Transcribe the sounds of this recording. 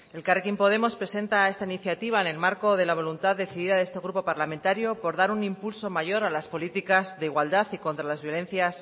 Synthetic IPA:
e̞lkarekimpo̞ð̞e̞mo̞spɾe̞se̞nt̪ae̞st̪ainiθjat̪iβ̞aene̞lmaɾko̞ðe̞laβ̞o̞lunt̪aððːe̞θiðiðaðe̞st̪e̞ɣɾupo̞paɾlamẽ̞nt̪aɾjo̞po̞ɾðaɾunĩmpulso̞maʝo̞ɾalaspo̞lit̪ikazðe̞iɣwald̪aθiko̞nt̪ɾalazβjo̞le̞nθjas

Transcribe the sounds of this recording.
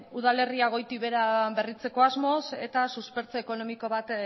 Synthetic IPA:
uð̞ale̞riaɣ̞o̞jt̪iβe̞ɾabe̞rit͡se̞ko̞azmo̞se̞t̪asuspe̞ɾt͡so̞eko̞no̞miko̞β̞at̪

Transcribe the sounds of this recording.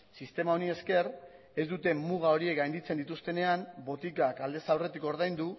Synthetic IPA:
sist̪e̞mao̞nie̞ske̞ɾ | e̞zd̪ut̪e̞muɣ̞ao̞ɾie̞kɡajnd̪it͡send̪it̪ust̪e̞ne̞ambo̞t̪ikakald̪e̞sawre̞t̪iko̞ɾð̞ajnd̪u

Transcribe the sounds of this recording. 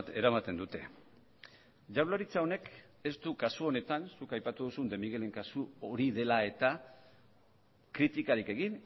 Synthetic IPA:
t̪e̞ɾamat̪e̞nd̪ut̪e̞ | ʝawlaɾit͡sao̞ne̞k | e̞st̪ukasuo̞ne̞t̪ansukajpat̪uðusund̪e̞miɣe̞le̞ŋkasuoɾiðe̞lae̞t̪a | kɾit̪ikaɾike̞ɣin

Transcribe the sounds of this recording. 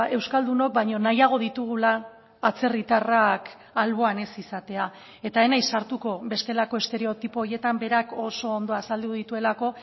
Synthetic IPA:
e̞wskald̪uno̞k̚bajɲo̞najaɣ̞o̞ðit̪uɣ̞ulaː | t͡se̞rit̪arak | alβ̞o̞ane̞sisat̪e̞a | e̞t̪aenajsaɾt̪uko̞be̞st̪e̞lako̞e̞st̪e̞ɾe̞o̞t̪ipooje̞t̪ambe̞ɾako̞so̞ːnd̪o̞asald̪uðit̪ue̞lako̞

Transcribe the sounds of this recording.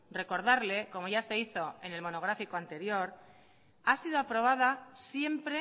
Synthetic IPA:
re̞ko̞ɾð̞aɾle̞ko̞mo̞ʝase̞iθo̞e̞ne̞lmo̞no̞ɣ̞ɾafikoant̪e̞ɾjo̞ɾ | asiðo̞apɾo̞β̞að̞asje̞mpɾe

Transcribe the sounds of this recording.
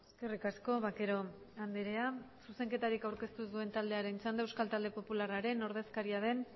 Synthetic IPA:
eskerikasko̞βakeɾo̞ | and̪eɾeasuse̞ŋke̞t̪aɾikawɾke̞st̪uzðue̞nt̪ald̪e̞aɾe̞nt͡sand̪aewskalt̪ald̪e̞po̞pularaɾe̞no̞ɾð̞e̞skaɾiað̞e̞n

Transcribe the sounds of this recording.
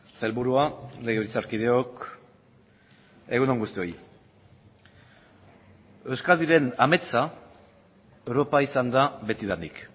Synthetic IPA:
selβuɾuale̞ɣeβit͡saɾkið̞e̞o̞k | e̞ɣunoŋɡust̪io̞j | e̞wskaðiɾe̞name̞t͡sa | ewɾo̞paisand̪aβe̞t̪iðanik

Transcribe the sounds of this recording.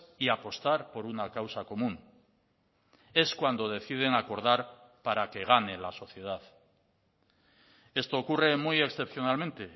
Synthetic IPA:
iapo̞st̪aɾpo̞ɾunakawsako̞mũŋ | e̞skwand̪o̞ð̞e̞θið̞e̞ŋako̞ɾðaɾ | paɾake̞ɣ̞ane̞laso̞θje̞ð̞að | e̞st̪o̞ːkure̞muje̞ksθe̞pθjo̞nalmẽnt̪e̞

